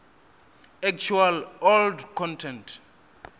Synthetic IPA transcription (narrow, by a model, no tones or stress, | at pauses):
ɛk̚t͡ʃʰualɔldkʰɔ̃ntʰɛ̃nt